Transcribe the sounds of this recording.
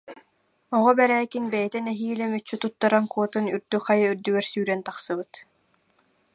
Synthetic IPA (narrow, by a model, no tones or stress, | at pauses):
ɔʁɔbɛɾɛːkinbɛjɛt̪ɛnɛɦiːlɛmyt͡ɕːyt̪ut̪ːaɾankuɔt̪ɯnyɾd̪yχajɯyɾd̪yɡɛɾsyːɾɛnt̪aχsɯbɯt̪